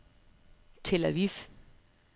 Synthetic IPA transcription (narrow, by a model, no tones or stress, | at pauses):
t͡sʰelɐʋif